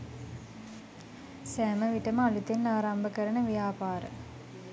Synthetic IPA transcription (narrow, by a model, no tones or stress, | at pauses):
sɛːməʋiʈɐmalut̪ːenːaːɾambəkəɾɐɳəʋjaːpaːɾə̰